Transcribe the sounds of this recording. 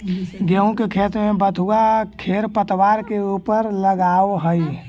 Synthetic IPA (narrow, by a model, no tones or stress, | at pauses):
ɡeũkekʰet̪mẽbət̪uakʰeɾpət̪waːɾkeuːpəɾləɡaːoɦəi